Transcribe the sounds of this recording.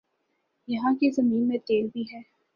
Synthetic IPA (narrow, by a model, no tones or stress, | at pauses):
jɐɦãkezɐmiːnmẽʈeːlbʱiɦɛː